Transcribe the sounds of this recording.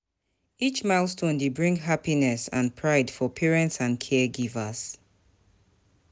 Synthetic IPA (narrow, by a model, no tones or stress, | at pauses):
it͡ʃmaɪlˠstʰõndebɹĩŋɦapinɛsã̰npʰɹaɪdfɔpʰɛɹɛ̃ntsãnkʰɛɡivəz̥